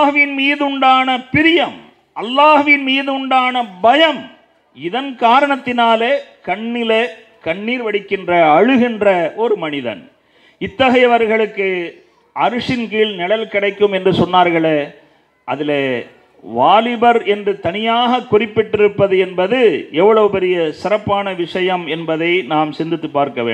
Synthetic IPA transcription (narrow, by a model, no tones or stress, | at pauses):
ɦɯʋɪnmiːðʊɳɖaːnɐpɪɾɪjɐm | ɐlːaːɦɯʋɪnmiːðʊɳɖaːnɐbɐjɐm | ɪðɐnkaːɾɐɳɐt̪ːɪnaːleːkɐɳːɪleː | kɐɳːiːɾʋɐɽɪkːɪndrɐɐɻɯɣɪndrɐɔɾɯmɐnɪðɐ̰n | ɪt̪ːɐɣɐjɐʋɐɾɣɐɭɯkːɯ | ɐɾɯʂɪnkiːɭnɪɽɐlkɪɽɐɪkːɯmɛndrɯsɔnːaːɾɣɐɭe | ʔɐðɪleː | ʋaːlɪbɐɾɛndrɯt̪ɐnɪjaːɣɐkːʊrɪpːɪʈːɪɾɯpːɐðɯɛnbɐðɯɛʋːɐɭɐʋɯpɛɾɪjɐsɪrɐpːaːnɐʋɪʂɐjɐmɛnbɐðɐɪnaːmsɪnd̪ɪt̪ːɯpːaːɾkɐʋḛːɳ